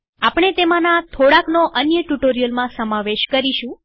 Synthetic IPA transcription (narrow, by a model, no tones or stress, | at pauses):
apɳ̃et̪emãnat̪ʰoɽaknoʔənjəʈuʈoɾijəlmãsəmaʋeʃkəɾiʃũ